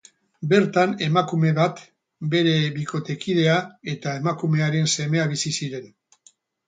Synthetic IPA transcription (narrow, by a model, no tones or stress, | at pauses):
be̞ɾt̪ane̞makume̞βat̪ | be̞ɾe̞βikʰo̞t̪e̞kið̞e̞ae̞t̪ae̞makume̞aɾe̞nse̞me̞aβ̞isisiɾe̞n